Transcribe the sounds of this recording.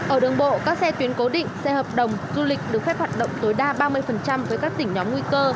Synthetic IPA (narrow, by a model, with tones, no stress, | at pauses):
ʔəː˧˩ɗɨ˨˩əŋɓo̰˧˨kaː˦˥k̚sɛ˧t̪wi˨˦ənko˨˦ɗḭ̈˧˨ŋ̟sɛ˧həː˨˩p̚ɗə˨˩wŋ͡mzu˧lï˨˩k̟̚ɗɨ˨˩ək̚fɛ˦˥p̚hwaː˨˩t̚ɗə̰˧˨wŋ͡mt̪o˨˦jɗaː˧ɓaː˧mɨ˧əjfə˨˩nt͡ɕa˧mvəː˨˦jkaː˦˥k̚t̪ï̟˧˩ɲɔ˨˦mŋwi˧kəː˧